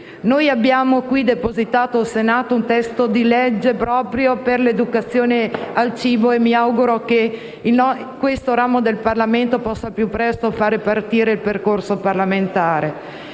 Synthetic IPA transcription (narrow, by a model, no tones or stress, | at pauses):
nojabːjaːmokwid̪epozit̪aːt̪olsenaːt̪ount̪ɛst̪od̪ilɛd͡ʒːepɾɔːpɾjoperled̪ukat̪sːjoːnealt͡ʃiːboemːiawɡuɾoke | ilnɔ | kwest̪oɾaːmod̪elparlament̪opɔsːapjupːɾɛst̪ofaːɾepart̪iːɾeilperkorsoparlament̪aːɾe